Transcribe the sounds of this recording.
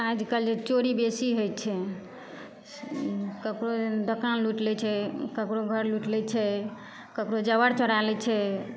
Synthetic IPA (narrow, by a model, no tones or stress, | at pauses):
ad͡ʒkəld͡ʒet͡ʃoɾibesiɦojt͡ʃʰɛ | kəkɾod̪əkanluʈlɛt͡ʃʰɛkəkɾoɡʱəɾluʈlɛt͡ʃʰɛ | kəkɾod͡ʒəbəɾt͡ʃəɽalɛt͡ʃʰɛ